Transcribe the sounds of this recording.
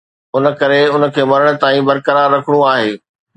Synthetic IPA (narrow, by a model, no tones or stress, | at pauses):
ʊnə̆kɐɾeʊnə̆kʰeːmɐɾəɽ̃ʊ̆t̪aːĩbɐɾkəɾaːɾːɐkʰəɽ̃ũaːɦeː